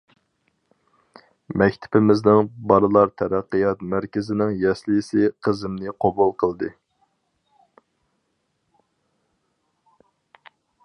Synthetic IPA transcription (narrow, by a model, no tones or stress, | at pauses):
mɛkʲt̪ʰɪ̥pʰɪmɪznɪŋbɑlɨlˠɑɾt̪ʰɛɾæqːɨjɑt̪mæɾkʲɪzɪnɪŋjɛsljisɪqʰəzɪmnɪqʰobulˠqʰəlˠd̪ɨ